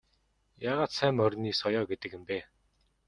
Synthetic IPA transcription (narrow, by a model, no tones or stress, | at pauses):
jaːʁaːt̪sæmœrʲniːsɔjɔːɡet̪ɘ̆kə̆mpeː